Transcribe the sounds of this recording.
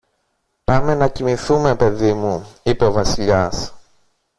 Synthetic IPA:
pɐme̞nɐcimiθume̞pe̞ðimuipe̞o̞vɐsiʎɐs

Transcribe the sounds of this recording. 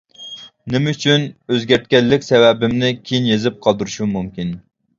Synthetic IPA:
nɪmɛyt͡ʃʰynøzɡʲæɾt̪̚kʲɛlːɪkʲsɛvɛbɪmnɪkʲʰejinjezɪp̚qʰɑlˠd̪ɨɾuʃumumkʲin

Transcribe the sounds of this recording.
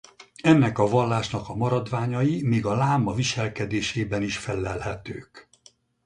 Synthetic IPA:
ɛnːɛkɒvɒlːaːʃnɒkɒmɒɾɒd̪ʋaːɲɒjimiːɡɒlaːmɒviʃɛlkɛd̪eːʃeːbɛniʃfɛlːɛlhɛt̪øːk

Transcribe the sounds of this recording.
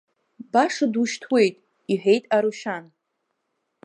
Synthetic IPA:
baʂaduʃtʰwe̞jtʼ | iħʷᶣe̞jtʼaɾuʃan

